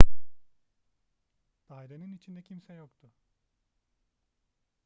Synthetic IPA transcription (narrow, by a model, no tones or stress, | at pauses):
d̪̥ajɾanɯnit͡ʃʰind̪ɛcʰimsɛjokt̪ʰʊ